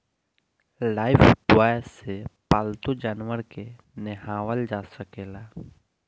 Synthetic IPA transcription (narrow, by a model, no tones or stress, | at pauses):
laːɪfɖwaːsepaːlt̪ud͡ʒaːnwəɾke | nɛɦaːwəld͡ʒaːsəkeːlaː